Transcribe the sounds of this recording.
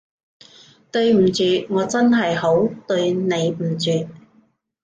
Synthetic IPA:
t̪ɵ˧ɥm̩˨˩t͡syː˨˧ŋɔː˨˧t͡sɐ˥nɦɐ˨jho˨˥wt̪ɵ˧ɥne˨˧jm̩˨˩t͡syː˨t̚

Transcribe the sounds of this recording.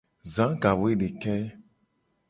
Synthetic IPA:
zã˨˦ɡa˨wo˦e˦ɖe˨kɛ˦

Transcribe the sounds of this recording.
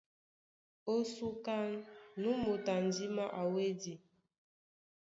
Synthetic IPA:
o˦su˦ka˦nnu˦mo˨ta˨n˨di˦ma˦ʔa˨we˦di˨

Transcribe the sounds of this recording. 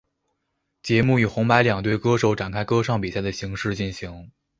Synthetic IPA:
t͡ɕjɛ˧˥mu˥˩y˨˩xʊ˧˥ŋpa˧˥ɪljɑ˨˩ŋt̪̬we˥˩ɪkɤ˥ʂo˧˩ʊʈ͡ʂa˨˩nkʰa˥ɪkɤ˥ʂɑ˥˩ŋpi˨˩sa˥˩ɪd̪ə˩ɕi˧˥ŋʂɻ̩˥˧t͡ɕi˥˩nɕi˧˥ŋ

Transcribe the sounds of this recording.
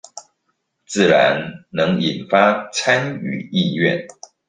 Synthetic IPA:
t͡sɹ̩˥˩ɻa˧˦nnɤ˧˦ŋi˨˩nfa˦t͡sʰa˦ny̰˨˩i˥˧ɥɛ̰˥˨n

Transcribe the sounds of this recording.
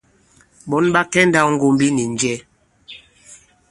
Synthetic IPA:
bɔ˨˦nɓa˦kɛ˦nda˦˨˦ŋ̩˦ɡo˦mbi˦ni˨n˦d͡ʒɛ˦

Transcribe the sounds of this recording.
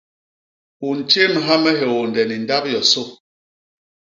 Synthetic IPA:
u˨n̩˨t͡ʃe˦n˨ɦa˦mɛ˦ɦe˨wo˨n˨dɛ˨ni˨n̩˦da˦p̚jɔ˨so˦

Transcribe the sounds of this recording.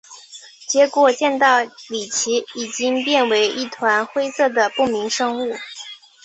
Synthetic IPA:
t͡ɕjɛ˧˥kwɔ˨˩t͡ɕjɛ˥˧nt̪ɑ˥˩ʊli˨˩t͡ɕʰi˧˥i˨˩t͡ɕi˥ŋpjɛ˥˩nwe˧˥ɪʔi˥˩t̪ʰwa˧˥nxwe˥ɪsɤ˥˩d̪ə˩pu˥˩mi˧˥ŋʂɤ˥ŋu˥˩

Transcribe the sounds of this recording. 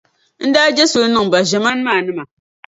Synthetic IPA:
n̩˦daː˦d͡ʒɛ˦so˨lɨ˦nɨ˦ŋ˨ba˨ʒɛ˨ma˦n˦maː˦˨nɨ˦ma˨

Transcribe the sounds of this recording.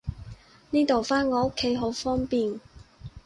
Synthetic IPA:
niː˥t̪o˨wfaː˥nŋɔː˨˧o˥kʰːe˨˥jɦo˨˥wfɔː˥ŋpiː˨n

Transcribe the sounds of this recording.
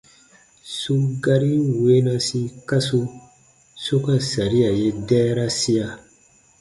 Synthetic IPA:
su˦ɡa˧ɾi˦we˦nã˧sĩ˧ka˦su˧ | so˦kã˦sa˨ɾi˦a˨je˦dɛː˦ɾa˦si˦a˧

